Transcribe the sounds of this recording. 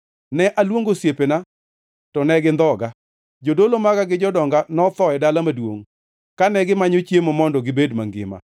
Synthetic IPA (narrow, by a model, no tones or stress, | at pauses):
nɛʔalwoŋɡosjepena | tɔnɛɡɪnd̪ɔɡa | d͡ʒodolomakaɡɪd͡ʒɔdɔŋɡanɔt̪ɔɛdalamadwo̰ŋ | kanɛɡɪmaɲot͡ʃjemomɔndɔɡɪbedmaŋɡɪ̰ma̰